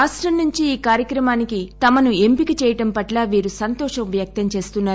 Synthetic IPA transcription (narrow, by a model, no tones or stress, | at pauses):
aːsʈɾɐmnuɲt͡ʃiiːkaːɾjɐkɾɐmaːnikit̪ɐmɐnuempikit͡ʃɛːjɐʈɐmpɐʈlaːʋiːɾusɐnt̪ɔːʂɐmʋjɐk̚t̪ɐɲt͡ʃe̞ːst̪unːaː